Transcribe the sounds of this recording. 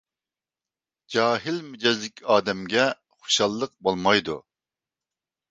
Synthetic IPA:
d͡ʒɑːɦɪlmyd͡ʒɛzlɪkʲʰɑːd̪ɛmɡʲɛ | χo̥ʃɑlˠːəq̚bolˠmɑjd̪ṵ

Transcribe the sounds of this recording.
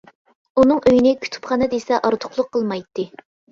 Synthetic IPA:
unɨŋʔøjinɪkʲʰy̥t̪ʰy̥pχɑːnɨd̪esɛʔɑɾt̪ʰʊ̥χlˠʊqʰːəlˠmɑjt̪ːɨ

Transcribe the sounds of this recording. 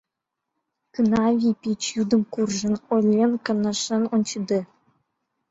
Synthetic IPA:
kɯnɑvʲipʲit͡ɕjud̪ɤ̆mkurʐɤ̆nolʲːenkɤ̆nɤ̆ʂɤ̆nont͡ɕɯd̪ɤ̆

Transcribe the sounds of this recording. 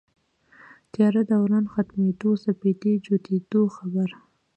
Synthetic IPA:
t̪jɑɾad̪awɾɑnxat̪med̪osaped̪ed͡ʒot̪ed̪oxabaɾ

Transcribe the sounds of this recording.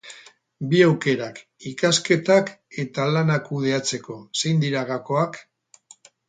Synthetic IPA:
biawke̞ɾakikaske̞t̪ake̞t̪alanakuðe̞at͡se̞ko̞sejnd̪iɾaɣako̞ak

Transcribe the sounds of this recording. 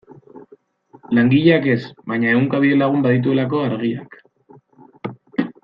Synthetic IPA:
laŋɡiʎeake̞sβaɲaeuŋkaβ̞iðe̞laɣ̞umbaðit̪̬ue̞lak̬o̞aɾɣiak

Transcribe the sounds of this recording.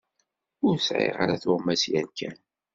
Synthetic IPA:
ʊɾsʕḛʁa̰ɾaθʊʁmæsjænkʰæn

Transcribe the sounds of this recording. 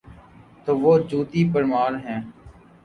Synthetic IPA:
t̪oːʋoːd͡ʒuːt̪iːpəɾmaːɾɦɛ̃ː

